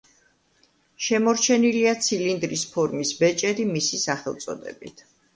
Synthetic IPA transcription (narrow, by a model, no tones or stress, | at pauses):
ʃɛmɔɾt͡ʃʰɛniliat̪sʰilind̪ɾispʰɔɾmisbɛt͡ʃʼɛɾimisisaχɛlˠt̪sʼɔ̰d̪ɛ̰bḭt̪ʰ